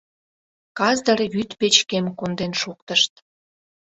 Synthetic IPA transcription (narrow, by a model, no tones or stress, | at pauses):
kɑzd̪ərjyt̪pet͡ɕkemkond̪enʃukt̪əʃt̪